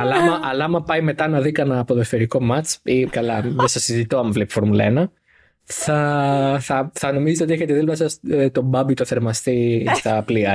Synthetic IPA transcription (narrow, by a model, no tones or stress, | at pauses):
ɐlɐmɐʔɐlɐmɐpɐjime̞t̪ɐnɐðikɐnɐːpoðofeɾiko̞mɐt͡ʃikɐlɐðesɐsizit̪oɐmvlepi̥fo̞ɾmulɐḛnɐ | θɐθɐθɐno̞mizt̪eot̪ieçe̞t̪eðilmɐsɐst̪o̞bɐbit̪oθe̞ɾmɐst̪ist̪ɐpliɐ